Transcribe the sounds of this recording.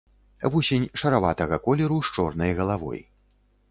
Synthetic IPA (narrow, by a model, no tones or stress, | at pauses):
vusʲenʲʂɐɾavat̪ɐɣɐkɔlʲɛɾuʂt͡ʂɔrnɐjɣɐlˠavɔ̰j